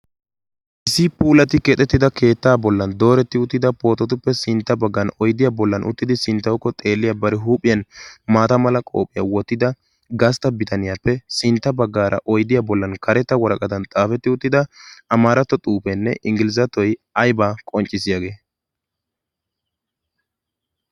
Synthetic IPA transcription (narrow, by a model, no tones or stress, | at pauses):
ʔɪsɪpuːlɐt̪ɪkɛt̪ʼːɛt̪ːɪd̪ɐkʰe̞ːt̪ːaːbɔlːɐnd̪o̞ːɾɛt̪ːɪʊt̪ːɪd̪ɐpo̞ːt̪ːɔt̪̬ʊpːɛsɪnt̪ːɐbɐɡːɐnɔjd̪ɪjaːbɔlːɐnʔʊ̰t̪ːɪd̪ɪsɪnt̪ːɐwkːɔt̪ʼe̞ːlːɪjɐbɐɾɛɦuːpʼːɪjɐnmaːt̪ɐmɐlɐkʼo̞̰ːpʼːɪjɐ̰wɔt̪ːɪd̪ɐ | ɡɐs̬t̪ɐbɪt̪ɐnɪjapːɛsɪnt̪ːɐbɐɡːaːɾɐ̰ʔɔjd̪ɪjabɔlːɐnkɐɾɛt̪ːɐwɔɾɐkʼɐd̪ɐnt̪ʼaːfɛt̪ːɪʊt̪ːɪd̪ɐɐmaːɾɐt̪ːɔt̪ʼuːpɛnːɛ̰ʔɪŋɡɪlɪzɐt̪ɔjɐjbaːkʼɔnt͡ʃʼːɪsɪjaɡe̞ː